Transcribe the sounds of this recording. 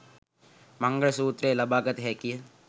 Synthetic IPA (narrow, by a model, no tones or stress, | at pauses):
mɐŋɡəɭsuːt̪ɾeːlɐbaːɡət̪ɦɛːki